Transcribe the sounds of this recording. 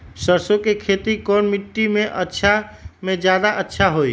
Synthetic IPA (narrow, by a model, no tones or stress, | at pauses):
səɾsokekʰet̪ikɔnmiʈːimeʔətːʃʰamed͡ʒjad̪aʔətːʃʰaɦoj